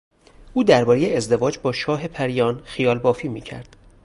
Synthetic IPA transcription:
ʔuːd̪æɾbɒːɾejeezd̪e̞vɒːd͡ʒbɒːʃɒːɦe̞pʰæɾijɒːnxijɒːlbɒːfiːmiːcʰæ̰ɾd̪̥

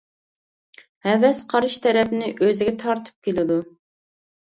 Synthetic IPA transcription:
hɛvɛsqʰɑɾɨʃt̪ʰɛɾɛpnɪʔøzɪɡʲɛt̪ʰɑɾt̪ʰɨ̥p̚kʲelɪd̪u

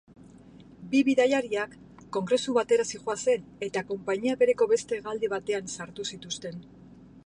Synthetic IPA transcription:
biβiðajaɾiakː | o̞ŋɡɾe̞suβat̪e̞ɾasiʝoase̞ne̞t̪ako̞mpaɲiaβe̞ɾe̞ko̞βe̞st̪e̞ɣald̪iβ̞at̪e̞ansaɾt̪usit̪ust̪e̞n

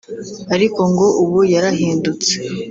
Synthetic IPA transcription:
aɾiko̞ŋɡo̞ʔuβujaɾaɦiːndut͡se̥

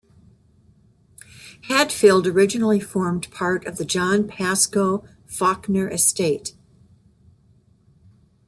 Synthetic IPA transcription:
hæd̥filˠdə˞ɪd͡ʒɨnl̩ˠifɔɹmpʰɑɹɾʌvðɨd͡ʒɑ̃npʰæskoʊ | fɑknə˞ʔɨsteɪt

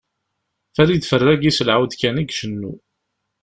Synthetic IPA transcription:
fæɾid̪fərːæɡisəlʕawd̪kæniɡʃənːṵ

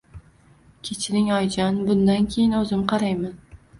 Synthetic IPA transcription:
kʲʰet͡ʃʰɪɾɪŋɒjd͡ʒanbʊnd̪ankʲʰejɪnɵzɪmqʰɑɾajman

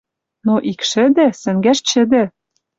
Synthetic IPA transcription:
noʔikʃɘ̆d̪ɘ̆sɘ̆ŋɡæʃt͡ɕɘ̆d̪ɘ̆

